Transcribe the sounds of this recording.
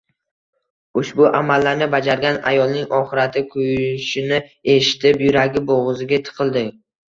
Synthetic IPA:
ʊʃbʊʔamalːaɾnɪbad͡ʒaɾɡʲana̰jɒlˠnɪŋɒχɪɾat̪ʰɪkʰʊjʃɪnɪe̞ʃɪ̥t̪ʰɪpjʊɾaɡʲɪboʁɨzɪɡʲat̪ʰɨ̥qʰɨlˠd̪ɪ

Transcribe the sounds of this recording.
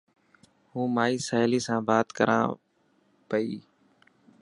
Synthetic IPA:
hũːmaːiːsaːɪliːsãːbaːt̪kəɾʔã̰ː | pəiː

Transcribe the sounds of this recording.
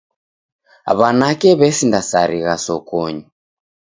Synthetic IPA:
a̰βanakɛβɛsindasaɾiɣasɔkɔɲi

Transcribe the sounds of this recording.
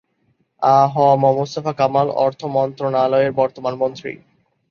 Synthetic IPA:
aɦɔamɔmost̪afakamalɔ̰ɾt̪ʰomɔnt̪ɾonaloeɾbɔɾt̪omanmont̪ɾḭ

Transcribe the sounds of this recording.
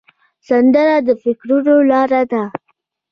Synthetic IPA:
sand̪əɾad̪əfɪkɾunolɑɾad̪a

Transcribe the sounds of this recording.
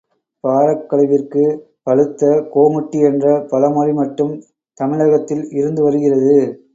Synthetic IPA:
paːɾɐkːɐɭɐʋɪrkɯ | pɐɻɯt̪ːɐkoːmʊʈːiɛndrɐpɐlɐmɐrimɐʈːɯm | t̪ɐmɪɭɐɣɐt̪ːɪlɪɾɯnd̪ɯʋɐɾɯɣɪrɐðɯ

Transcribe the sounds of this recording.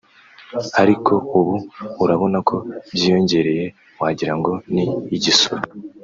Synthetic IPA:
aɾikʰo̞uβuuɾaβo̞nakʰo̞bjiːjo̞ɲɟe̞ɾe̞je̞ | waːɟiɾaŋɡo̞niːɟisoɾ

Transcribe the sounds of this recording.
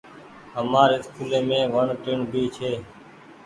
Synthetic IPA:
ɦəmaːɾeːɪskuːlẽːmẽːʋəɳʈɪɳbʱiːt͡ʃʰeː

